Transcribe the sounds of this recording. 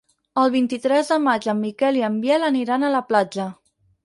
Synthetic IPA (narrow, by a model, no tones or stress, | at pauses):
əlˠβ̞int̪it̪ɾɛzðəmad͡ʒəmːikɛliəmbjɛləniɾanələplad͡ʒə